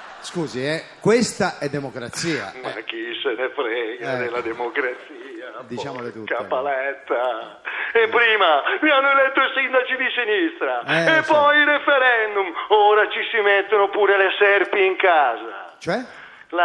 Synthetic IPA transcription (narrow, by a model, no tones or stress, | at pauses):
skuːziɛkwest̪aʔɛd̪ːemokɾat̪sːiːa̰makːisenefɾɛɡad̪elːad̪emokɾat̪siːad̪it͡ʃamolet̪ukapːalɛt̪ːa | epːɾiːmamianːoelɛt̪ːoisind̪at͡ʃid̪isinist̪ɾaepːɔjiɾefɛɾɛnd̪umoːɾat͡ʃisimɛt̪ːonopuːɾelɛsɛrpiːŋkaːza̰t͡ʃoɛ | la